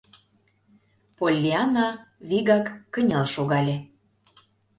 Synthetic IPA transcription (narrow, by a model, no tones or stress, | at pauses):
polʲːiɑnɑβiɣɑkːə̆nʲɑlʃoɣɑlʲe